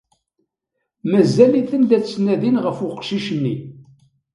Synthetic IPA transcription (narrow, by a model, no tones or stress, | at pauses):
mæzæliθənd̪æt͡ssnæðinʁəfʊqʃiʃənːi